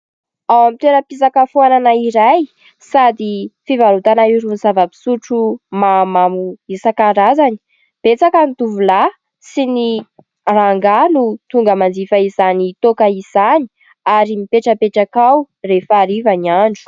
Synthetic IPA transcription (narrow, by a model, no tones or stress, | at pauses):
awamit̪eɾəpisakəfuananaiɾaj | sad̪ifivalut̪anaiɾunzavəpi̥suʈ͡ʂumamamuisakaɾazani̥ | b̥et͡sakanit̪uvula | sini | raŋɡanut̪uŋɡəmand͡zifaizanit̪okaiz̥ani̥ | aɾimipeʈ͡ʂəpeʈ͡ʂakaw | refaːɾivaniaɳɖ͡ʐu̥